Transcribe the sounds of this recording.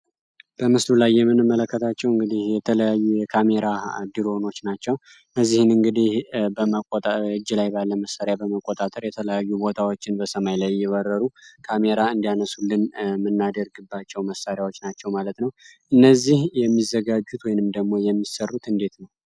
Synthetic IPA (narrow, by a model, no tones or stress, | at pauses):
b̥əmɨslulajːɛmːɨnɨmːələkːət̪ʰat͡ʃːɛwɨŋɡɨd̪ihjɛt̪ʰələjajːujɛkʰame̞ɾad̪iɾo̞no̞t͡ʃːnat͡ʃːɛw | nːəzːihɨnɨŋɡɨd̪ihbəəkʼt̪ʼɨd͡ʒːɨlajbalːəməsːaɾjabəməkʼːot̪ʼat̪ʼəɾjɛt̪ʰələjajːubo̞t̪ʰawo̞t͡ʃːɪnbəsəmajlajːɛwəɾːəɾukʰame̞ɾaɨnd̪ijanəsulːɨnmɨnːad̪əɾɡɨbːat͡ʃːɛwməsːaɾjawot͡ʃːnat͡ʃːɛwmalət̪nəwʔɨnːəzːihjɛmːizəɡad͡ʒːut̪wɔjnɨmd̪əɡmo̞jɛmːisərːut̪ɨnd̪e̞t̪nəw